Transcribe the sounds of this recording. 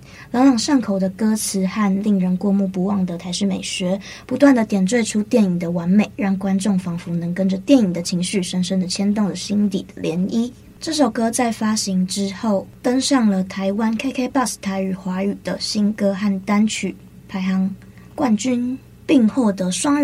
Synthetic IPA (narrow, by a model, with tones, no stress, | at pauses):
lɑ˧˥ŋljɑ˨˩ŋʂa˥˩ŋkʰo˨˩ʊd̪ə˦kɤ˥t͡sʰɹ̩˧˥xa˥˧nli˥˩ŋɻə˧˥nkwɔ˥˧mu˥˩pu˧˥wɑ˥˩ŋd̪ə˨t̪ʰa˧˥ɪʂɻ̩˥˩me˨˩ɪɕɥɛ˧˥ | pu˧˥t̪wa˥˩nd̪ə˨˩t̪jɛ˨˩nt͡swe˥˧ɪʈ͡ʂʰu˥t̪jɛ˥˩ni˨˩ŋd̪ə˨˦wa˧˥nme˨˩ɪɻɑ˥˩ŋkwa˥nʈ͡ʂʊ˥˩ŋfɑ˧˥ŋfu˧˥nɤ˧˥ŋkə˥nd͡ʒə˨t̪jɛ˥˩ni˨˩d̪ə˩t͡ɕʰi˧˥ŋɕy˥˩ʂə˧˥nʂə˥nd̪ə˨t͡ɕʰjɛ˥nt̪ʊ˥˩ŋd̪ə˩ɕi˥nt̪i˨˩d̪ə˦ljɛ˧˥ni˥ | ʈ͡ʂɤ˥˩ʂo˨˩ʊkɤ˥t͡sa˥˩ɪfa˥ɕi˧˥ŋʈ͡ʂɻ̩˥xo˥˩ʊt̪ə˥ŋʂɑ˥˩ŋlə˨˩t̪ʰa˧˥ɪwa˦nkʰa˥ɪkʰe˥ɪpɑ˥˩s̩˨˩t̪ʰa˧˥ɪy˨˩xwa˧˥y˨˩d̪ə˦ɕi˥nkɤ˥xa˥˩nt̪a˥nt͡ɕʰy˨˩ | pʰa˧˥ɪxɑ˧˥ŋ | kwa˥˩nt͡ɕy˥n | pi˥˧ŋxo˥˩ʊd̪ə˧˩ʂwɑ˥ŋ